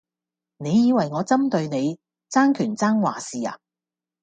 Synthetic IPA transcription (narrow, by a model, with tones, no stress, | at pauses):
ne˨˧jːiː˨˧wɐ˨˩jŋɔː˨˧t͡sɐ˥mt̪ɵ˧ɥne˨˧j | t͡saː˥ŋkʰyː˨˩nt͡saː˥ŋwa̰ː˨˩siː˨a̰ː˨˧